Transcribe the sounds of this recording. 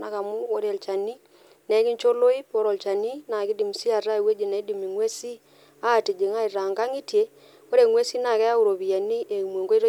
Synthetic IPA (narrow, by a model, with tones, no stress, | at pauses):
na˨ka˨mu˦ko˨˦ɾe˨lt͡ʃa˨ni˦ | nɛ˦ki˦ɲt͡ʃo˦lo˦i˦po˦ɾo˨lt͡ʃa˨ni˦na˨ki˦di˨m˨si˦a˨ra˦e˨we˦d͡ʒi˨na˨i˦di˨mi˨ŋwe˦si˦ | a˦˨ti˨d͡ʒe˨ŋa˦i˨ɾa˨ŋɡa˦ŋi˦tje˨˦ | ko˦ɾe˨ŋwe˦si˦na˨kɛ˦a˦u˨ɾo˨βi˨ja˨ni˦ʔe˨mwo˨ŋɡo˦i˦ɾo˦